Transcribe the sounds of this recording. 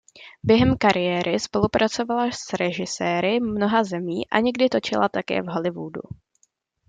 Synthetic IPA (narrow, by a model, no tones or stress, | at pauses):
bjɛɦɛmkaɾɪjɛːɾʔɪspo̞lupɾʔat͡so̞valasɾɛʒɪsɛːɾɪmno̞ɦazɛmiːʔa̰ɲɛɡdɪt̪o̞t͡ʃɪlat̪akɛ̰ːvɦo̞lɪvṵːdṵ